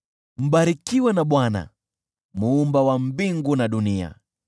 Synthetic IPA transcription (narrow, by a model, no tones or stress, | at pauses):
m̩ɓaɾikiwɛnaɓwana̰ | muːmbawam̩biŋɡunaɗunia̰